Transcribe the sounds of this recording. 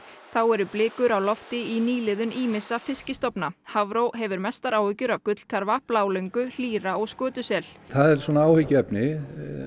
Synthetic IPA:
θawɛɾʏplɪːkʏɾawlɔft̪ɪiniːlɪðʏniːmɪsafɪscɪst̪ɔpnahavɾowɦɛvʏɾmɛst̪aɾaːwhɪcʏɾavkʏt̪l̥kʰaɾvahplaːwleŋkʏl̥iːɾaɔɣskœːt̪ʏsɛl̥θaðɛɾ̥sɔnaaːwhɪcːɛpnɪ

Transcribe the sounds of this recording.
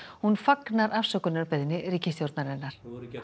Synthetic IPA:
hunfaknaɾʔafsœkʏnaɾpɛðnɪɾriːcɪsθjowɾt̪naɾɛnːaɾ̥

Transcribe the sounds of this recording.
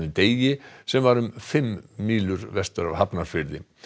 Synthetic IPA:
ʏmt̪eːjjɪsɛmvaɾʏmfɪmːiːlʏɾvɛst̪ʏɾa̰v̥hapnaɾ̥fɪɾðɪ

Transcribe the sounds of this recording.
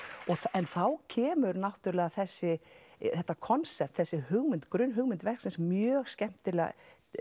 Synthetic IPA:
ɔɣθɛnθawcʰɛːmʏɾnawt̪ʏɾlɛːɣaθɛsːɪθɛht̪ːakʰɔnsɛp̚t̪θɛsːɪhʏɣmɪnt̪kɾʏnɦʏɣmɪnt̪vɛr̥ksɪnsmjœːɣscɛm̥t̪ɪɾlɛa̰

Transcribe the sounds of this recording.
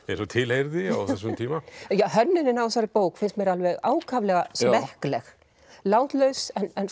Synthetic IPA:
ɛɾsɔt̪ʰɪlejɾðɪa̰wθɛs̬ɔnt̪ʰiːmajaɦœnːɪnɪnavsaɾɪpoːwkfɪnst̪mɛɾalvɛɣaːwkʰavlɛɣasvɛhklɛx | laːwt̪lœɥsɛnɛn

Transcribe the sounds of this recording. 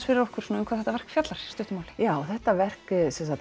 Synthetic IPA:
fɪɾɪɾɔhkʏɾ̥suːnʏmkʰvaðθɛt̪avɛr̥kfjat̪laɾ̥st̪ʏht̪ʏmaːwlɪ̥jaːwɔθɛht̪avɛr̥ksɛnsa

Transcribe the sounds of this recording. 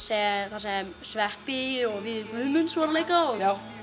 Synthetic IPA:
sɛθasɛm | svɛhpiɔɣvɪðmʏðmʏnsvɔɾalejkaɔɣaw

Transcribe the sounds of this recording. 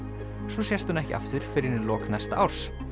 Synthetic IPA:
sɔsjɛst̪ʏnɛhcɪʔa̰ft̪ʏɾ̥fɪɾɪɾɪnɪlɔːknɛst̪aʔawɾ̥s

